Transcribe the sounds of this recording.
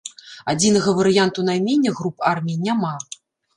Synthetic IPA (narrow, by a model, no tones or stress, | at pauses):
ad͡zʲinɐɣɐvɐɾɨjant̪unajmʲenʲːɐɣɾuparmʲijnʲama